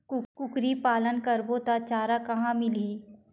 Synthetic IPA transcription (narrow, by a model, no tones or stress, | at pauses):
kʊkʊkɾipaːlənkəɾboːt̪at͡ʃaːɾakɐɦãmɪliː